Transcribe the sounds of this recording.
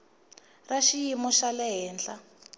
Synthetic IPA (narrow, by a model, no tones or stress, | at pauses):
raʃijimɔʃalɛɦɛːnɬa